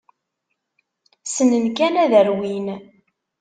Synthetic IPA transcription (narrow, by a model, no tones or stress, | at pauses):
sənənkænæðəɾwin